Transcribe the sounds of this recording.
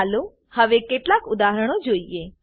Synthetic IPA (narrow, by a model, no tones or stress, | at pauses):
lo | həʋekeʈlakʊd̪aɦəɾəɽ̃od͡ʒoːie